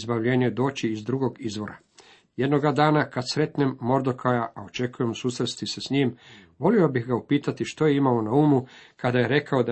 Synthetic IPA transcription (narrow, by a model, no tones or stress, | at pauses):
zbaʋʎe̞ːɲed̪o̞ːt͡ɕiːzd̪ɾuɡo̞ɡizʋo̞ɾa | je̞d̪no̞ɡad̪aːnakad̪sɾe̞t̪ne̞mːo̞ɾd̪o̞kʰajaʔaot͡ʃe̞kuje̞msuːsɾet̪st̪isesɲiːm | ʋo̞lio̞bixɡaupiːt̪at̪iʃt̪o̞je̞imao̞nauːmukad̪aje̞ɾe̞kao̞d̪a